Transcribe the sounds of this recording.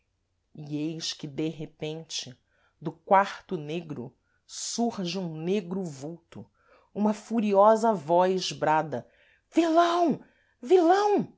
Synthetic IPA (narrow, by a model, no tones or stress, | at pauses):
iejʃkɪd̪eɦepẽnt͡ʃɪ | d̪ʊkwaɾt̪ʊneɡɾʊ̰ | suhʒɪũneɡɾʊvuwt̪ʊ | ũmɐfuɾiɔzɐvɔjzbɾad̪ɐ | vilɐ̃w̃ | vilɐ̃w̃